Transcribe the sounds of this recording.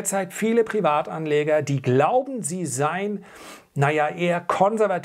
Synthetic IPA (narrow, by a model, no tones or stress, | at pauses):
ɐt͡saɪtfiːləpʁ̥ivaːtanleːɡɐdiːɡlaʊbm̩ziːzaɪn | najaʔeːɐkʰɔnzɛɐvat